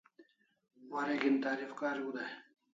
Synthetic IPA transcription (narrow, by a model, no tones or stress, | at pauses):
waɾeɡint̪aːɾifkaːɾiɡud̪a